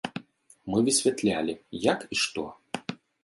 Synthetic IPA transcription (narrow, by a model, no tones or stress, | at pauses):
mɨvʲɨsʲvʲɛt̪lʲalʲɪjakiʂt̪ɔ̰